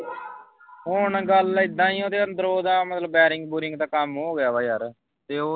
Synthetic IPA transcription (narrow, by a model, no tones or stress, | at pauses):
ɦʊɳɡəlɪd̪ːãːĩːɦõːt̪eːond̪əɾoːd̪ãːmət̪ləbːɛːɾɪŋɡbuːɾɪŋɡt̪ãːkəmɦoːɡɪjaːbaːjaːɾ | t̪eːoː